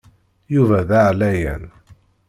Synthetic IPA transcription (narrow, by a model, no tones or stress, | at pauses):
juvæðaʕlæjæ̰n